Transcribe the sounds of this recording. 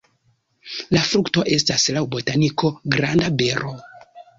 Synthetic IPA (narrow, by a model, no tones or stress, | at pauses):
lafɾukto̞ʔe̞staslawbo̞taniko̞ɡɾandabe̞ɾo̞